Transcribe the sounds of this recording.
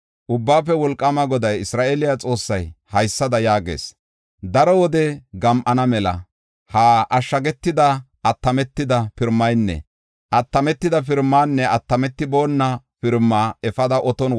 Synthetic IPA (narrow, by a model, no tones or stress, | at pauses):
ʔʊbːaːf̬ɛwɔlkʼːɐmɐɡɔd̪ɐjɪsɾaːʔelɪjat͡sʼo̞ːsːɐjhɐjsːɐd̪ɐjaːɡḛːs | d̪ɐɾɔwɔd̪ɛɡɐmʔɐnɐmɛlɐ̰ | haːʔɐʃːɐɡɛt̪ːɪd̪ɐ | ɐt̪ːɐmɛt̪ːɪd̪ɐpɪɾmːɐjnːɛ̰ | ʔɐt̪ːɐmɛt̪ːɪd̪ɐp̬ɪɾmːaːnːɛɐt̪ːɐmɛt̪ːɪbo̞ːnːɐ | pɪɾmːaːɛfɐd̪ɐʔɔt̪ɔn